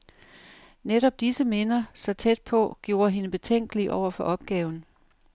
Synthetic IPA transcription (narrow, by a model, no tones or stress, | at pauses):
neɾɒ̽b̥̚d̥isəme̝nɐsɒ̽t͡sʰed̥̚pʰɒ̽ɡ̥jo̝ːɐɦe̝nəb̥e̝t͡sʰeŋ̰ɡ̥əliʔɒʊ̰ɐfɒ̽ʔɒ̽b̥̚ɡ̥ɛːʊn̩